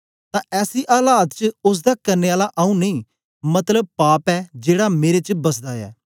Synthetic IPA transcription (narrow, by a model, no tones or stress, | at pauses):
t̪ãːʔɛːsiːʔaːlaːt̪t͡ʃʊs̬d̪aːkəɾneːaːlaʔaːũːnəĩː | mət̪ləb̚paːpɛːd͡ʒeːɽaːmeːɾet͡ʃbəsd̪aːɛ̰ː